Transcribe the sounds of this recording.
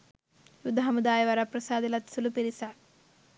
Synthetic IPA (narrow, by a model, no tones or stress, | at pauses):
jud̪ʱːaɦɐmud̪aːjɐʋɐɾɐpɾɐsaːd̪ilɐt̪sulupiɾisɐ